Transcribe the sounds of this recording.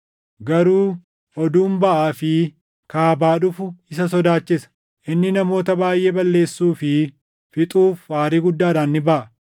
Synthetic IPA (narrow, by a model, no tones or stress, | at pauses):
ɡɐɾuː | ʔɔd̪uːmbɐʔaːfɪ | kaːbaːᶑʊfʊɪsɐsɔd̪aːt͡ʃːɪsɐ̥ | ʔɪnːɪnɐmo̞ːt̪ɐbaːjʔeːbɐlːe̞ːsːuːfɪ | fɪt̪ʼuːfaːɾiːɡʊd̪ːaːᶑaːnːɪbɐʔɐ